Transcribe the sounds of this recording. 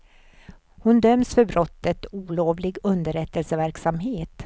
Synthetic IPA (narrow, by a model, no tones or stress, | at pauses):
hʊnd̪œmsfœɾbɾʔɔt̪ːət̪uːloːvlɪɡɵnd̪əɾɛt̪ːəlsəvæɾksamɦeːt̪